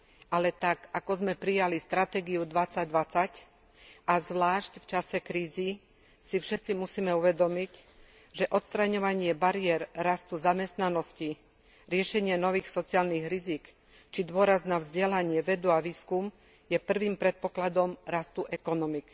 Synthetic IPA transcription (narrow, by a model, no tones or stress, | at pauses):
alɛt̪akakɔzmɛpɾijalist̪ɾat̪ɛːɡiud̪ʋat͡saɟd̪ʋat͡sac | azʋlaːʃcft͡ʃasɛkɾiːzi | sifʃɛt̪t͡simusiːmɛuʋɛd̪ɔmic | ʒɛʔɔt̪st̪ɾaɲɔʋaɲɪɛbaɾiɛɾːast̪uzamɛst̪nanɔsci | ɾɪɛʃɛɲɪɛnɔʋiːxsɔt͡siaːlniɣɾizik | t͡ʃid̪ʊɔɾaznavzɟɛlaɲɪɛʋɛd̪uaʋiːskum | jɛpr̩ʋiːmpɾɛt̪̚pɔklad̪ɔmɾast̪uʔɛkɔnɔmik